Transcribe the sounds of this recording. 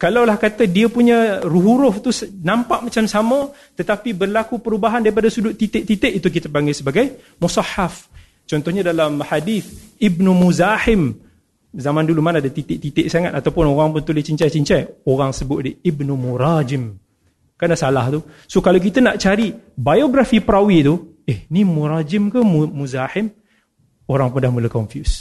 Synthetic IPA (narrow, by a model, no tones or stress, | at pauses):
kalawlahkat̪ədiəpuɲəruɦuɾʊht̪usnampaʔmat͡ʃamsamə̃ | t̪ət̪apibərlakupəɾubaɦandaɾipadasudʊʔ̪it̪ɪʔ̚t̪it̪ɪʔit̪uk̬it̪əpaŋasəbaɡaj | musɑħaf | t͡ʃɔnt̪ɔhɲadalamħadiθibnumuzahɪm | zamãndulumanadat̪it̪ɪʔ̚t̪it̪ɪʔsaŋat̪at̪awpʊnoɣaŋpʊnt̪ulɪt͡ʃiɲt͡ʃajt͡ʃiɲt͡ʃajoɣaŋsəbʊʔ̪̚diibnumuɾad͡ʒɪm | kandaʔsalaht̪u | sokalawk̬it̪anaʔt͡ʃaɾibajoɡɾafipəɾawit̪u | ehnimuɾad͡ʒɪmkamumuzahɪm | oɾaŋpʊndahmulakɔɱfjus